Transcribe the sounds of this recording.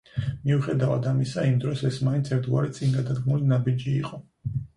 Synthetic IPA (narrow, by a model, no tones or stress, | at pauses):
miuχɛd̪avad̪amisaimd̪ɾɔsɛsmaint̪sʰɛɾt̪ʰɡwa̰ɾɛt̪sʼiŋɡad̪ad̪ɡmulinabid͡ʒiːqʼɔ